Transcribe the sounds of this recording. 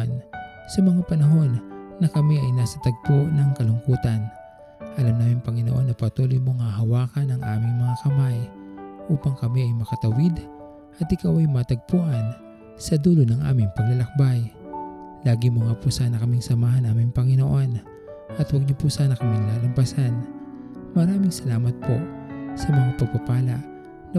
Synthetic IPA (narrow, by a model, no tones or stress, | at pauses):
n | sɐmɐŋapɐnɐɦo̞nːɐkɐmiʔɐjnasɐt̪ɐɡ̚poʔnɐŋkɐlʊŋkuːt̪ɐn | ʔɐlamnaːmɪŋpɐŋɪnoʔo̞nːɐpɐt̪uːlojmoŋaɦɐwaːkɐnɐŋʔaːmɪŋmɐŋakɐmajʔuːpɐŋkɐmiɐjmɐkɐt̪ɐwɪd̪ | ʔɐt̪ʔɪkawɐjmaːt̪ɐɡ̚puʔɐn | sɐd̪uːlonɐŋʔa̰ːmɪŋpɐɡlɐlɐk̚baj | laːɡimoŋapʊsaːnɐkɐmɪŋsɐmaːɦɐnaːmɪŋpɐŋɪno̞ʔo̞n | ʔɐt̪wɐɡ̚ɲʊpʊsaːnɐkɐmiŋlaːlɐmpɐsan | mɐɾaːmɪŋsɐlaːmɐt̪̚po̞̰sɐmɐŋapɐɡ̚pɐpaːlɐʔ | nɐ